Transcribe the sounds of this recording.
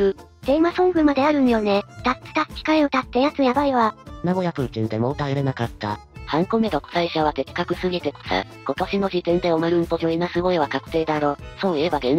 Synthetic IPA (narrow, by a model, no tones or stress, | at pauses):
ɯ̟ | d̪̥e̞masõ̞ŋɡɯ̟mad̪e̞aɾɯ̟̃njo̞ne̞t̪at͡sɨ̥t̪ḁkʲi̥kaio̞t̪at̪ːe̞jat͡sɨjabaiβanamojapɯ̟ɾɯ̟t͡ɕĩnd̪e̞mo̞ːt̪aeɾenakat̪ːa̰hãŋko̞me̞t̪oko̥saiɕaβ̞at̪e̞kʲkːakɯ̟sɨɡʲit̪e̞ko̥sa̰ | ko̞t̪o̞ɕino̞ʑit̪ẽ̞nd̪e̞omaɾɯ̟mpo̞ʑʲoinasɨɡo̞eβakakɯ̟̥t̪e̞ːd̪aɾo̞ːsoːiebaɡẽn